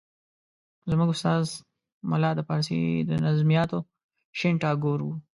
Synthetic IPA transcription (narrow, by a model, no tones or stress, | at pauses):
zmuɡʊst̪ɑːz | mʊlɑd̪əpɑɾsḭd̪ənazmijɑt̪o | ʃeɳʈɑːɡoɾwu